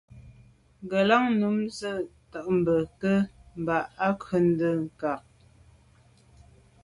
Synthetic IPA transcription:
ŋ˨ɡə˨la˦ŋnu˨˦mzə˦˨tə˨ʔm̩˨bə˨kə˦m̩˨ba˨ʔa˦kə˨n̩˦də˦˨ŋ̩˨ka˨k̚

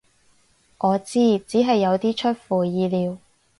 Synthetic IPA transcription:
ʔɔː˨˧t͡siː˥t͡siː˨˥ɦɐ˨jːɐ˨˧wt̪iː˥t͡ʃʰɵ˥t̚fuː˨jiː˨˧liː˨˧w

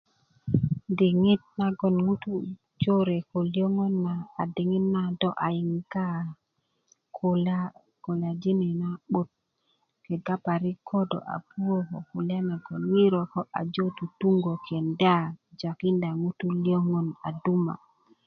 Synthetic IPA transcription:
di˨ŋi˦t̚na˦ɡo˨nŋu˦tu˦ | d͡ʒo˦ɾe˨ko˨li˦o˦ŋɔ˦nːaː˨di˨ŋi˦tna˦dɔ˦ʔa˨ji˨ŋɡa˦ | kola | ko˨la˨d͡ʒi˦nɛ˨na˦ɓu˦t̚ | kɛ˨ɡa˦pa˨ɾi˦kʰo˦do̰˨ʔa̰˨pu˦wo˦ko˨ku˨la˦na˨ɡo˨nŋi˦ɾo˨ko˦ʔa̰˨d͡ʒo˦tu˨tu˦ŋɡo˨kʰe˨nda˦d͡ʒa˨ki˦nda˨ŋu˦tu˦li˦o˦ŋɔ˨na̰˨du˦ma̰˨

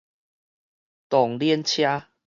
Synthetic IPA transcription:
t̪ɔ˨˩ŋljiɛ˦nt͡ɕʰja˦

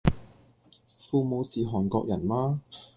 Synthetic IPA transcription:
fuː˧mo˨˧wsiː˨ɦɔː˨˩nkɔː˧k̚jɐ˨˩nmaː˥

